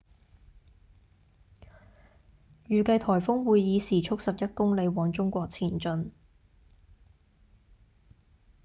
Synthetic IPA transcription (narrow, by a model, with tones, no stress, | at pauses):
jyː˨kɐ˧jt̪ʰɔː˨˩jfʊ˥ŋwuː˨˧jːiː˨˧siː˨˩t͡ʃʰʊ˥k̚sɐ˨p̚jɐ˥t̚kʊ˥ŋle˨˧jwɔː˨˧ŋt͡sʊ˥ŋkʷɔː˧k̚t͡sʰiː˨˩nt͡ʃɵ˧n